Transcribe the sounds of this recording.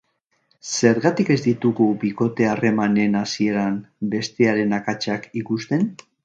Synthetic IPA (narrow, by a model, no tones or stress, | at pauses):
se̞ɾɣat̪ike̞zd̪it̪uɣubiko̞t̪e̞are̞mane̞nasie̞ɾambe̞st̪e̞aɾe̞nakat͡ʃakikust̪e̞n